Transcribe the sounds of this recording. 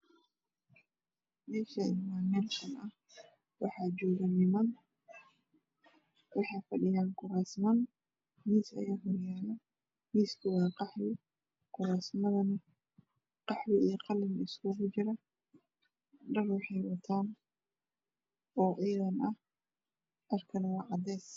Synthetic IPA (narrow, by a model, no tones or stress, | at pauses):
mɛːʃɐɪmaːnɛlkʰɐnʔɐh | wɑħaːd͡ʒɔːɣɐnɪmɐn | wɑħɑːjfɐɗɪjaːnkʊɾaːsmɐn | miːsɐ̰jaːɦɔɾjaːlɐ | miːskɪwɑːqɑħlɪ | kʊɾaːsmɐðɐnɐ | qɑħwɪijqɑlɪmɪskʰʊɣʊt͡ʃɪɾɐ | ɖɐrwɑħɑjwɐt̪ʰaːn | ɔːʕiːðɐnʔɐh | ʔɐrkʰɐnwɑːʕɑd̪ɛːs